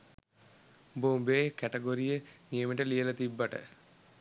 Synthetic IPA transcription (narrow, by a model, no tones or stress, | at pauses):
bombeːkæʈeɡoɾijənijəmiʈəlijələt̪ibːaʈə̰